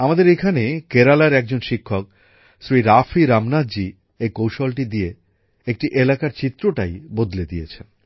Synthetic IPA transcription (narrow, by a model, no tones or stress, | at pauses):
amad̪eɾekʰanekeɾalaɾɛk̚d͡ʑonʃikʰːok̚ | sɾiɾafʰiɾamnadd͡ʑi | ejkowʃolʈid̪ie | ek̚ʈiʔelakaɾt͡ɕit̪ːɾoʈajbod̪led̪ijet͡ɕʰen